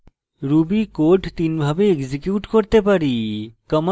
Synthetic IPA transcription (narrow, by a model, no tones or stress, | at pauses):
ɾubikoʈt̪inbʱabeeɡzikjuʈkoɾt̪epaɾikəm